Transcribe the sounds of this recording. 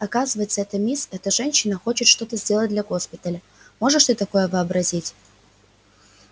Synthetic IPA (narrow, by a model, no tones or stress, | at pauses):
ɐkazɨvəjɪt̪səɛt̪əmʲisɛt̪əʐɛnʲɕːɪnəxo̞t͡ɕɪt̪ʂt̪o̞t̪əzʲdʲe̞lˠət̚ʲd̪lʲɐɡo̞spʲɪt̪əlʲə | mo̞ʐɨʂt̪ɨt̪ɐko̞jəvɨɐbɾɐzʲitʲ